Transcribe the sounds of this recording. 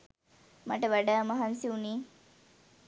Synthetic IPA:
maʈəʋæɖaːmɐɦansiuniː

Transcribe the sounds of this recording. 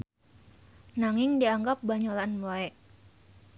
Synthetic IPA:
naŋɪŋdiaŋɡap̚baɲolanboɛʔ

